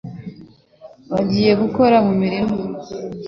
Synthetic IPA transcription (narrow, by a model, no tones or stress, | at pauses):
βaɟiːje̞ɡuko̞ɾamumiɾimo